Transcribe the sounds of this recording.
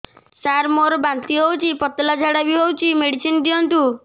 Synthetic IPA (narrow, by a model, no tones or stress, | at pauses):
saɾmoɾɔbant̪iɦowt͡ʃʰipɔt̪lad͡ʒʱaɽabiɦowt͡ʃʰimeɽisind̪iɔnʈ̪u